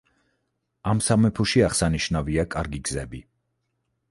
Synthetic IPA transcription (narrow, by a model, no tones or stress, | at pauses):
amsamɛpʰuʃiaχsaniʃnaviakʼaɾɡiɡzɛbi